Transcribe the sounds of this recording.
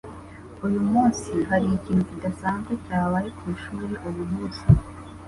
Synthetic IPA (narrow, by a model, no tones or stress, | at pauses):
ujumuːnsiɦaɾiiciːnhucidasaːnzɡwe̞caːβajekwiːʃuːɾeʔuβuɦuzi